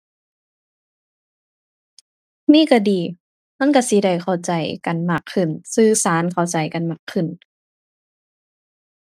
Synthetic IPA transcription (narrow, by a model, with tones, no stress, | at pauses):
miː˧˥˨ka˧˩diː˨ | ma˧˥˨nka˧˩si˧˦da˧˩jkʰa˨˩wt͡ɕa˨jka˨nmaː˧˩kʰːɯ˧˩nsɯː˧saː˨˦nkʰa˨˩wt͡ɕa˨˩jka˨nma˧˩kʰːɯ˧˩˨n